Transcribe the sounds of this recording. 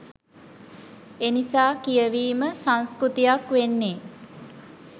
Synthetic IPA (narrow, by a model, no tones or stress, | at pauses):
enisaːkijəʋiːməsaŋ̃skɾut̪ijakʋenːe